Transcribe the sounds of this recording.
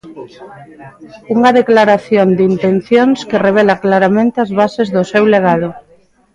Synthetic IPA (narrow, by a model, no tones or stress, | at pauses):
uŋɐðeklaɾaθjond̪int̪enθjoŋskɪreβ̞ɛlaklaɾamẽnt̪eazβasezðʊsewleɣað̞ʊ